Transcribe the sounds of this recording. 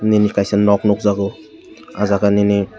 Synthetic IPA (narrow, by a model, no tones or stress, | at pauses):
ninikajsenɔk̚nɔk̚zaɡɔ | azaɡanini